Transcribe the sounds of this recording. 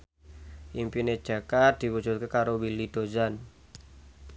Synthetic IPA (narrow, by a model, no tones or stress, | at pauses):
ʔimpined̥ʒ̥a̤kat̪̚d̪̥i̤wu̥d͡ʒ̥ṳt̪̚kekaɾowilid̪̥o̤zan